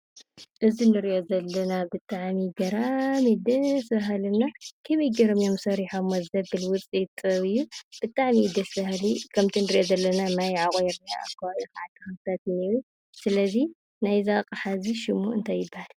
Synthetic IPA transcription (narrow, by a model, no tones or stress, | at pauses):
ʔɨzinɨɾiʔo̞zɐlːɐnabɨt̪ʼaʕmiɡɐɾamid̪ɐsbɐɦalɨnakʰɐmɐjɡɐɾomjomsɐɾiħomːɐzɐbɨlwʊt͡sʼit̪ʼɨwɨjːub̥ɨt̪ʼaʕmid̪ɐsbɐhlikʰɐmt̪ʰinɨɾiʔozɐlːɐnanajʕaχʼojɛɾnaʔa̰kʰːɐwaikaʕat̪ʰɐxɐt̪ʰat̪neɾu | sɨlɐzi | najzaqʼaħaziʃɪmuʔɨnt̪ʰajːɪbːahal